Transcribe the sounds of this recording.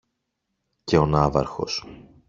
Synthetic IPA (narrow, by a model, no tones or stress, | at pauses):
ce̞o̞nɐvɐ̰ɾxo̞̰s